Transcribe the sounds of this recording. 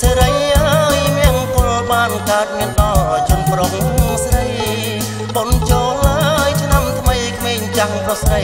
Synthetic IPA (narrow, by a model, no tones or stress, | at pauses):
seːɾəjlaəjmiənpʊ̆əlɓaːnkaət̪̚miənɗɑːt͡ɕʊ̆ənproːŋpoŋsɾəj | pont͡ɕoːlːaəjt͡ɕʰnamt̪ʰməjkʰmeːŋt͡ɕaŋprohsrəj